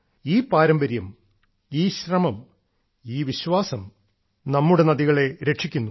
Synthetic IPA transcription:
iːpaːɾɐmbɐɾjɐm | iːɕrɐmɐm | iːʋiɕʋaːsɐm | nɐmːuɽe̞nɐðiɣɐɭe̞ɾeʂikʲːunːu

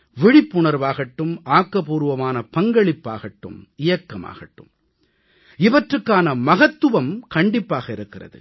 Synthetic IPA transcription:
ʋɪɻɪpːʊɳɐɾʋaːɣɐʈːɯmʔaːkːɐpuːɾɯʋɐmaːnɐpɐŋɡɐɭɪpːa̰ːɣɐʈːɯ̰mɪjɐkːɐma̰ːɣɐʈːɯm | ɪʋɐʈrɯkːaːnɐmɐɣɐt̪ːɯʋɐmkɐɳɖɪpːaːɣɐɪɾɯkːɪrɐ̰ðɯ̰

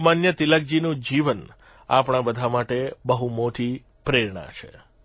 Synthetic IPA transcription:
manjət̪iləɡ̚d͡ʒinũd͡ʒiʋən | a̰pɳ̃ãbəd̪ʱamaʈebəɦumoʈi | pɾeɾɳa̰t͡ʃʰḛ

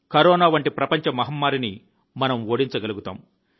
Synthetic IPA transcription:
kɐɾɔːnaːʋɐɳʈipɾɐpɐɲt͡ʃɐmɐɦɐmːaːɾini | mɐnɐmoːɽiɲt͡ʃɐɡɐluɡut̪a̰ːm

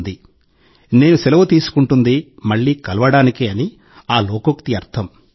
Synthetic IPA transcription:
d̪i | ne̞ːnusɛlɐʋut̪iːsu̥kuɳʈund̪imɐɭːiːkɐlɐʋɐɽaːnikeːɐni | aːloːkokt̪iɐɾt̪ʰɐm

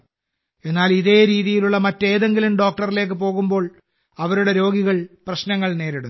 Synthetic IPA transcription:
e̞nːaːliðe̞ːɾiːðijiluɭːɐmɐtːe̞ːðe̞ŋɡilumɖo̞ːk̚ʈɐrile̞ːk̬ːɨpo̞ːɣumbo̞ːɭ | ɐʋɐɾuɽe̞ɾo̞ːɡiɣɐɭprɐɕnɐŋːɐɭne̞ːɾiɽu

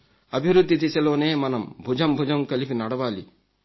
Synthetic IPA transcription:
ɐbʱiwɾud̪ʱːit̪iseloːnemɐnɐmbʱud͡ʒɐmbʱud͡ʒɐmkɐlipʰinɐɽɐbaːlḭ

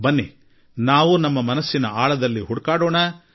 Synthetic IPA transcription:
bɐnːḛ | naːʋunɐmːɐmɐnɐsːinɐaːɭɐd̪ɐlːiɦuɽkaːɽoːɳɐ

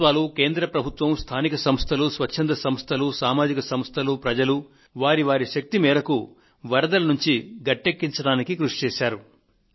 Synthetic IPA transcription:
ʋaːluke̞ːnd̪ɾɐpɾɐbʱut̪ʋɐmst̪ʰaːnikɐsɐmst̪ʰɐlusʋɐːɐnd̪ɐsɐmst̪ʰɐlusaːmaːd͡ʒikɐsɐmst̪ʰɐlupɾɐd͡ʒɐlu | ʋaːɾiʋaːɾiʃɐk̚t̪imɛːɾɐku | ʋɐɾɐd̪ɐlɐnuɲt͡ʃiɡɐʈːekːiɲt͡ʃɐɽaːnikikɾuʂi̥t͡ʃɛːʃaːɾu

